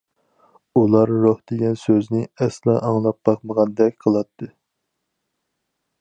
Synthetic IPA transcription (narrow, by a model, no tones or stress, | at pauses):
ulˠɑɾːohd̪eɡʲɛnsøznɪɛslˠɑʔɑŋlˠɑp̚bɑχməʁɑnd̪ɛkʲqʰəlˠɑt̪ʰːɨ